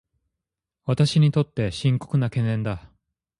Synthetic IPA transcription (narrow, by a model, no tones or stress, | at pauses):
βat̪aɕiɲ̟it̪o̞t̪ːe̞ɕĩŋko̞̥kɯ̟nakẽ̞nːẽ̞nd̪a